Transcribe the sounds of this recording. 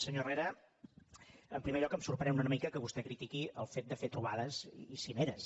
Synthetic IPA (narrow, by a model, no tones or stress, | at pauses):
səɲoreɾə | əmpɾimeʎɔkəmsuɾpɾənɛwnunəmikəkəβust̪ɛkɾit̪ikiəlˠfet̪̚d̪əfet̪ɾuβaðəzisineɾəs